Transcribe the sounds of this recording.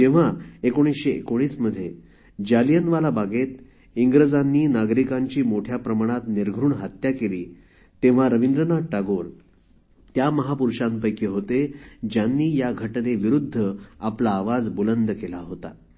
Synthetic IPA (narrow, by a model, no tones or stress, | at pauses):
d͡ʑeʋ̤aekoɽ̃isɕeḛkoɽ̃iːsməd̪ʱːje | d͡ʑalijənʋalabaɡet̪ | iŋɡɾəd͡zanːiːnaɡɾikaɲt͡ɕiːmoʈʰjapɾəmaɽ̃at̪niɾɡʱɾuːɳɦat̪jakeliː | t̪eʋ̤aɾəʋind̪ɾənaʈaɡoɾ | t̪jaməɦapuɾɕãmpəjkeɦot̪ed͡ʑjanːiːjaɡʱəʈneʋiɾud̪ʱːəaplaːʋad͡zbulənd̪kelaɦot̪a